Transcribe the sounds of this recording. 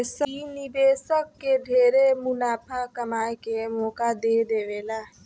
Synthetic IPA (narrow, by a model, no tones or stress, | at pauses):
səinɪbeːsəkːeɖʱeːɾemʊnaːpʰəkəmaːekemɔːkad̪eːd̪eːʋeːlaː